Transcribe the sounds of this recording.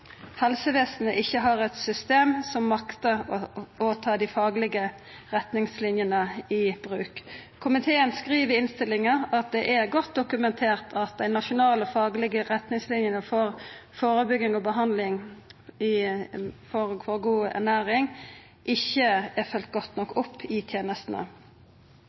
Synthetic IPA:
hɛlsəʋeːsnə̰ʔɪçːəɦɑɾɛt̪sʏst̪eːmsɔmːɑkt̪əɔoːt̪ʰɑːd̪ɪfɑːɡlɪɡə | ʁɛt̪nɪŋslɪnjənəɪb̥ɾʉːkkʰːʊmɪt̪ʰeːənskʁiːʋəɾɪnst̪ɪlɪŋəɑt̪̚d̪ɛʔɛɾɡɔt̪̚d̪ʊkʉmɛnt̪ʰeːʁt̪ʰɑt̪̚d̪æɪnɑʃʊnɑːləɔfɑːɡlɪɡəʁɛt̪nɪŋslɪnjənəfɔɾfoːɾəbʏɡɪŋɔbəɦɑnd̪lɪŋɪ | fɔʁfɔʁɡuːæ̰ʁnæːɾɪŋ | ʔɪçːəæfœlt̪̚ɡɔt̪nɔkːɔpʰːɪt̪ʰjeːnəst̪n̩ə̰

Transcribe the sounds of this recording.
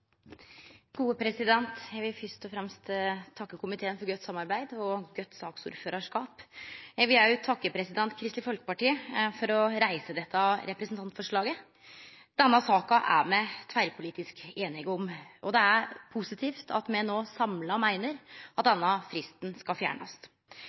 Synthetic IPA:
ɡ̥uːəpʰɾɛsɪd̪ɛnt̪jæɡʋɪlfʏst̪ɔfɾɛmst̪t̪ʰːɑkːəkʰʊmɪt̪ʰeːnfɔɾɡœt̪ːsɑmːɑɾbæɪd̪ɔɡœt̪ːsɑːksʊ̰ɾføːɾɑʂkɑːpjæɪɡʋɪljæt̪ʰɑkːəpʰɾɛsɪd̪ɛnt̪kʰɾɪst̪ɪfɔlkə̥pɑʈiːəfɔɾɔɾæɪsəd̪ɛt̪ʰːɑɾɛpɾɛsnt̪ɑnt̪fɔʂɭɑːɡə | d̪̥ɛnːɑsɑːkɑʔæ̰ɾmɛt̪ʰʋæɪɾpʰʊliːt̪ɪskeːnɪɡʊmʔɔd̪ɛæɾpʰʊsɪt̪ʰiːft̪ʰɑ̰t̪mɛnoːsɑmlɑmæɪnəɾɑt̪̚d̪ɛnːɑfɾɪst̪n̩skɑfjæ̰ːɳɑ̰s

